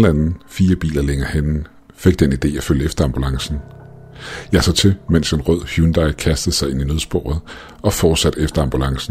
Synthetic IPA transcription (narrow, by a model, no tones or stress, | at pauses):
l̩ænn̩fiːɐb̥ḭːlɐleŋɐhenn̩ | fe̝ɡ̥̚d̥enid̥e̝̰ːæføljəefd̥ɐɑ̈mb̥ulɑ̈ŋsn̩ | jɑ̈ɪsɒ̽t͡sʰe̝men̰se̝nʁœð̰ˠhjuːnd̥ɑ̈ɪkʰæsd̥ð̩ˠsɑ̈ɪe̝ninøð̞ˠsb̥o̰ːɐðˠ | ɒ̽fɒːd̥sæd̥efd̥ɐɑ̈mb̥ulɑ̈ŋsn̩